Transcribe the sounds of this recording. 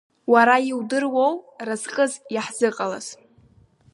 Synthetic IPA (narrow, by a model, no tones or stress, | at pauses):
waɾajiwdɨrwowrazqʼɨzjaħz̥ɨqʼala̰z̥